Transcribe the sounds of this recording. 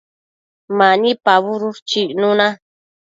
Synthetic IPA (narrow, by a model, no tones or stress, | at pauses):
manipaβuɾuɾt͡ʃinuna